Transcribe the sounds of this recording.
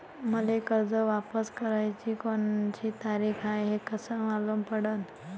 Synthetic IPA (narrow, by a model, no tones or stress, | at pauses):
məlekəɾd͡zəʋapəskəɾajt͡ɕiːkont͡ɕiːt̪aɾikʰajɦekəsəmalompəɽən